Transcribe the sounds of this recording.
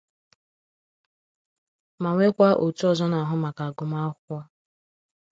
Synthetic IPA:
ma˨ŋʷe˦kʷa˦ʔo˨tu˦ɔ˦zɔ˦na˨ɦʊ˦ma˨ka˨ɡʊ˨ma˦ɔ˦

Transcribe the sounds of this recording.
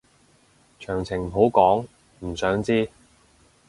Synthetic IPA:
t͡ʃʰœː˨˩ŋt͡sʰɪ˨˩ŋɦo˨˥wkɔː˨˥ŋ | m̩˨˩sœː˨˥ŋt͡siː˥

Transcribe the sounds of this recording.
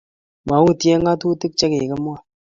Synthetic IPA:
ma˨˦wu˦˨te˦ŋa˦tu˦tɨ˦k̚t͡ʃe˦ke˨kə˦mwa˦˨

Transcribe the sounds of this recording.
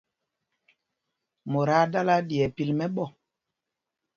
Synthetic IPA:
mo˨ɾa˦ɗa˦la˦ɗi˨ɛ˨pi˨lmɛ˦ɓɔ˦˨

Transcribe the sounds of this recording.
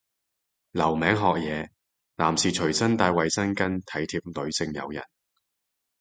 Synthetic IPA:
lɐ˨˩wmɛː˨˥ŋɦɔː˨k̚jɛː˨˧ | laː˨˩msiː˨t͡ʃʰɵ˨˩ɥsɐ˥nt̪aː˧jwɐ˨jsɐ˥nkɐ˥nt̪ʰɐ˨˥jt̪ʰiː˧p̚lɵ˨˧ɥsɪ˧ŋjɐ̰˨˧wjɐ̰˨˩n

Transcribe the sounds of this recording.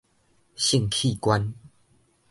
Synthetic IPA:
ɕi˥˧˨ŋkʰi˥˧˨kwa˦n

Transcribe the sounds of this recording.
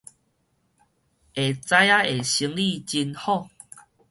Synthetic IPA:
e˨t͡sa˧˦ja˦e˨˩ɕi˧˦ŋli˥˧t͡ɕi˧nhɔ˥˧˨

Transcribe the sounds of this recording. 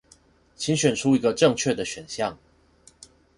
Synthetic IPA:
t͡ɕʰi˨˥nɕɥɛ˨˩nʈ͡ʂʰu˦i˧˥ɡə˧ʈ͡ʂɤ˥˧ŋt͡ɕʰɥɛ˥˩d̪ə˩ɕɥɛ˨˩nɕjɑ˥˨ŋ

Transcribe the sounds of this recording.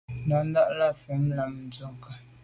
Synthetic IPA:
na˨˦n˦da˦ʔla˦˨fɛ˨m˦la˨m˦˨d͡zʊ˦ŋ˨ka˨

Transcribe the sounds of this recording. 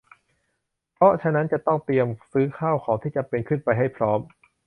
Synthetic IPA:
pʰɔ˦˥t͡ɕʰa˧na˦˥nt͡ɕa˨˩t̪ɔ˥˩ŋt̪i˧əmsɯː˦˥kʰaː˥˩wkʰɔː˩˦ŋt̪ʰiː˥˩t͡ɕa˨˩pe˧nkʰɯ˥˩npa˧jɦa˥˩jpʰɾɔː˦˥m

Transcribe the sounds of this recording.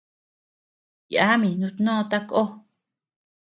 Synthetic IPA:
ja˦mĩ˨nũ˧t̪nõ˦˧t̪a˦ko˦

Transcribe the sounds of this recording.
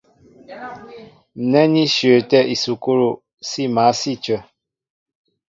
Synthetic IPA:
n̩˨nɛ˦ni˦ʃɥə˨tɛ˦ʔi˨su˨ko˦ɾo˨ | si˦˨ma˨˦si˦t͡ʃə˦˨

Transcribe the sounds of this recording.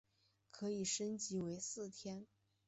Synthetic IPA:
kʰɤ˧˥i˨˩ʂə˥nt͡ɕi˧˥we˧˥ɪsɹ̩˥˩t̪ʰjɛ˥n

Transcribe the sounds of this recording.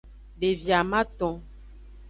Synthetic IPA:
ɖe˨vja˨mã˦t̪ɔ̃˨

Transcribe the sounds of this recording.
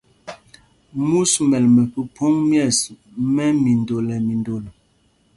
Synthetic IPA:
mu˦smɛ˨lmɛ˨pə˨pʰo˦ŋmjɛ˦˨s | mɛ˦mi˨ndo˨lɛ˨mi˨ndo˨l

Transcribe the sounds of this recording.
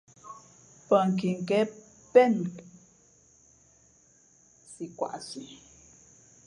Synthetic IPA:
pə˨ŋ˨k̬i˨ŋ˨kɛ˦ | pɛ˦nt | si˨kwa̰˨ʔsi˨

